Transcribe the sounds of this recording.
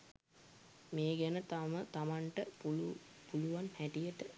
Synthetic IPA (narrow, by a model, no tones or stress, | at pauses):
meːɡænət̪amət̪amaɳʈəuu | puluʋanhæʈijəʈə